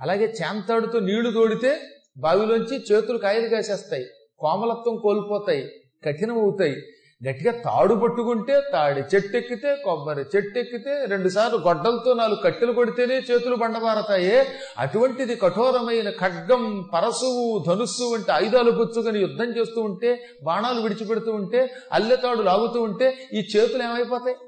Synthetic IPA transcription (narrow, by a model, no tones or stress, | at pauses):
ɐlaːɡeːt͡ʃɛːnt̪aːɽut̪oːniːɭut̪oːɽit̪e̞ː | baːʋiloːɲt͡ʃit͡ʃeːt̪ulukaːjɐlɐɡaːt͡ʃɛːst̪aːji | kɔːmɐlɐt̪ʋɐmko̞ːlipɔːt̪aːji | kɐʈːinɐmɐwut̪aːji | ɡɐʈːiɡaːt̪a̰ːɽupɐʈːukuɳʈe̞ːt̪aːɽet͡ʃeʈːekːit̪e̞ːkɔbːɐɾet͡ʃeʈːekːit̪eːɾe̞ɳɖusaːɾluɡɔɖːɐlt̪oːnaːlukɐʈːilɐkoɽit̪eːneːt͡ʃe̞ːt̪ulubɐɳɖɐbaːɾɐt̪aːjeː | ɐ̰ʈuʋɐɳʈid̪ikɐʈʰɔːɾɐmɐjnɐkʰɐɖɡɐmpɐɾɐsuwud̪ʱɐnusuɐɳʈeɐjd̪aːluput͡ʃsuɡɐnijud̪ʱːɐmt͡ʃe̞ːst̪uːuɳʈe̞ː | baːnaːluʋiɽit͡ʃipeɽut̪uːuɳʈe̞ːɐ̰lːeːt̪aːɽulaːɡut̪uːuɳʈe̞ːiːt͡ʃe̞ːt̪uleːmɐjpɔːt̪aːji